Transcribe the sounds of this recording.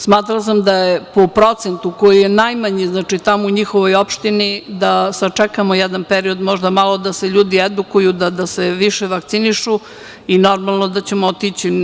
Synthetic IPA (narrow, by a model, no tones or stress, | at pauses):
smaːt̪ɾals̬amd̪ajepopɾo̞t̪sent̪ukojije̞najmaɲiznaːt͡ʂit̪amouɲixoʋo̞jo̞pʃt̪inid̪asat͡ʂɛkamojɛd̪anpeɾio̞d̪mo̞ʒd̪amalo̞d̪aseʎuːd̪ied̪ukujud̪ad̪aseʋiʃeʋak̚t̪siniʃu | ino̞ɾmalˠnod̪at͡ɕemoot̪it͡ɕi